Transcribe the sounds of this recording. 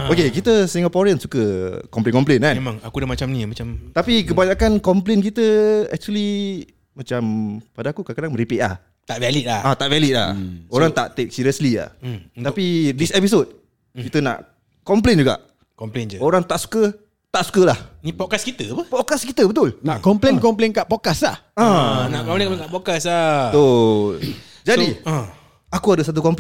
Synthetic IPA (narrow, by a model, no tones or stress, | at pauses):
okekit̪əsiŋapoɾiənsukəkɔmplenkɔmplenanmemãŋakudamat͡ʃamnimat͡ʃamt̪apik̬əbaɲakankɔmplenkit̪əɛ̰k̚t͡ʃuəli | mat͡ʃampadaːkukakadaŋməɾipiʔa̰h | t̪aʔvɛlit̪̚laat̪aʔvɛlit̪̚la̰oɾaŋt̪aʔt̪ek̚siɾiəslia̰apid̪isɛpis̬ot̚ | kit̪əna̰ʔ | kɔmplend͡ʒuɡa̰ʔ | kɔmplend͡ʒəoɾaŋt̪aʔsu̥kə | t̪aʔsu̥kəlahĩpɔkaskit̪əpəpɔkaskit̪əbət̪ʊlnaʔkɔmplenkɔmplenkaʔpokaslahãnaʔkɔplẽnkɔmleŋkapokasat̪o | d͡ʒadiə̃ | akuadəsat̪̬ukɔmpl